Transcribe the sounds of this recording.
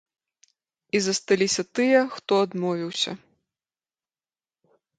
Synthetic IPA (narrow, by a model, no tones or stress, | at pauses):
izɐst̪alʲisʲɐt̪ɨjɐxt̪ɔɐd̪mɔvʲiwsʲɐ̰